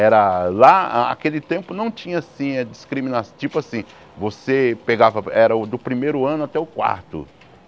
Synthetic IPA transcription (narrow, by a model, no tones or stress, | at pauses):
ɛɾɐlaa̰kelɪt̪ẽmpʊnɐ̃w̃t͡ʃĩɲɐasĩɐd͡ʒiskɾimĩnast͡ʃipʊasĩ | vosepeɡavɐɛɾɐʊd̪ʊpɾimejɾʊɐ̃nʊat̪ɛʊkwa̰ɾt̪ʊ̰